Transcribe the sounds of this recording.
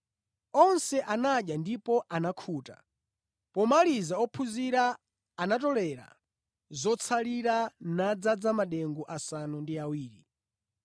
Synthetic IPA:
ɔnsɛʔanaɗjandipɔʔanakʰuːta̰ | pɔmalizaɔpʰuziɾaː | natɔlɛɾa̰ | zɔt͡sʰaliɾanad͡zad͡zamaɗɛŋɡɔʔasanundiawiːɾi

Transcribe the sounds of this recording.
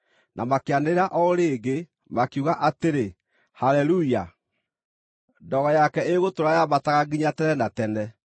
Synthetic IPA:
nʔamakeaneɾaʔɔoɾeːɡe | makuɣaʔateɾe | halɛluia | dɔɣɔjakɛeɣotoɾajamataɣaɡiɲatɛnɛnatɛnɛ

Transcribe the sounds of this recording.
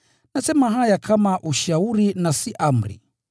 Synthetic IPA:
nasɛmaɦajakʰamaʔuʃauɾinasiʔam̩ɾḭ

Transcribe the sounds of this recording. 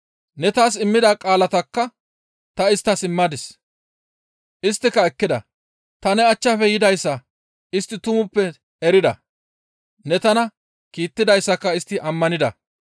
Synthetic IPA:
nɛt̪aːsɪmːɪd̪akʼaːlɐt̪ɐkːɐ | t̪ɐɪst̪ːɐsɪmːɐd̪ɪs | ʔɪst̪ːɪkːɐɛkːɪd̪ɐ̰ | t̪ɐnɛɐt͡ʃːɐfɛjɪd̪ɐjsːɐ | ɪst̪ːɪt̪ʊmʊpːɛ | ɛɾɪd̪ɐ̰ | nɛt̪ɐnɐ | kiːt̪ːɪd̪ɐjsːɐkːɐɪst̪ːɪʔɐmːɐnɪd̪ɐ̰

